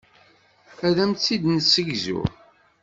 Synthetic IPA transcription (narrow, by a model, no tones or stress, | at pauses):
æðæmt͡sːid̪nəsːəɡzʊ̰